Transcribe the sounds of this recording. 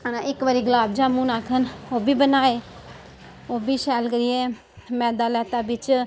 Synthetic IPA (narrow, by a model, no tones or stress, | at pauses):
ənãɪkʋaːɾiːɡəlaːbd͡ʒaːmũːnaːkʰənoːbiːbənaːeː | oːbiːʃɛːlkəɾiːeː | mɛ̃ːd̪aːlɛːt̪aːbɪt͡ʃ